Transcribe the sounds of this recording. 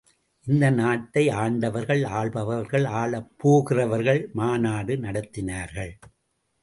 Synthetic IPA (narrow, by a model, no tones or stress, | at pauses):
ʔɪnd̪ɐnaːʈːɐɪaːɳɖɐʋɐɾɣɐɭaːɭbɐʋɐɾɣɐɭaːɭɐpːoːɣɪrɐʋɐɾɣɐɭmaːnaːɽɯnɐɽɐt̪ːɪnaːɾɣɐɭ